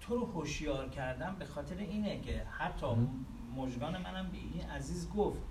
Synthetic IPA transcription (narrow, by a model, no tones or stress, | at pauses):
t̪ʰoɾohoʃjɒːɾcʰæɾd̪æmbe̞xɒːt̪ʰe̞ɾeiːnecʰehæt̪ʰːɒː | moʒɡɒːne̞mænæmbḛʔinʔæziːzɡoft̪